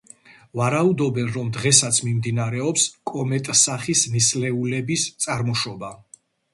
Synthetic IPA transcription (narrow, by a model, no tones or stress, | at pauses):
vaɾaud̪ɔbɛnɾɔmd̪ʁɛsat̪sʰmimd̪inaɾɛɔpskʼɔmɛt̪ʼsaχisnislɛulɛbist̪sʼaɾmɔʃɔba